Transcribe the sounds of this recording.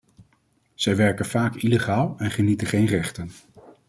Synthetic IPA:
z̥ɛjʋɛɹkənv̥aːkileχaːlˠɛnχənitəχejnrɛχtən

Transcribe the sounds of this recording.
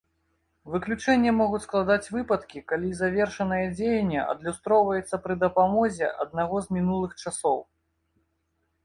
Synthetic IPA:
vɨklʲut͡ʂɛnʲːɐmɔɣutʲsklˠad̪at͡sʲvɨpɐt̪kʲikalʲizavʲerʂɐnɐjɐd͡zʲejɐnʲːɛ̰ʔɐ̰d̪lʲust̪ɾɔwvɐjɛt̪sːɐpɾɨd̪ɐpamɔzʲɛ̰ʔɐ̰d̪̚naɣɔzmʲinulˠɨxt͡ʂasɔw

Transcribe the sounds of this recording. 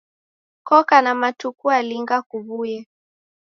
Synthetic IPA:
kɔkanamatukualiŋɡakuβujɛ

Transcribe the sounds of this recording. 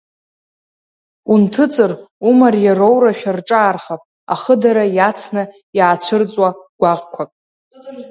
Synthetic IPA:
untʰɨt͡sʼɨrumarjarowɾaʃᶣarʈ͡ʂʼaːrχapʼ | a̰χədaɾajat͡sʰnɨ | jaːt͡ɕʷʰɨrt͡sʼwaɡ̥ʷaʁkʷʰakʼ

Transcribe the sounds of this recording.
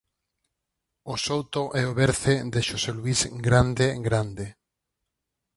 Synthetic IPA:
osowt̪oʔɛoβeɾθed̪eʃoselwizɡɾand̪eɡɾand̪e

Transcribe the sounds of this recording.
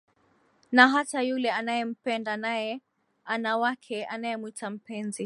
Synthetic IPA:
naɦatajulɛanajɛm̩pɛndanajɛ | anawakʰɛʔanajɛmuitam̩pɛnzi

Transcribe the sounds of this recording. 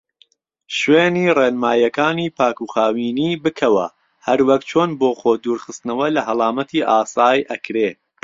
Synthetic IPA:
ʃweːnireːnmaːjɐkaːniːpʰaːkuːχaːwiːniːbɨkʰɐwɐ̰ | hɐɾwɐkt͡ʃʰoːnboːxoːd̪uːɾχɨst̪nɐwɐlɐɦɐlˠɑːmɐt̪ʰiːʔaːsaːjʔɐkɾeː

